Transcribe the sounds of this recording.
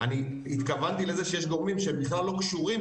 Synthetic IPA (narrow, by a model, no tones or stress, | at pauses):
ani | it̪kavant̪ilezeʃejeʃd̪o̞ʁmimʃeembiχlalːo̞kʃuʁim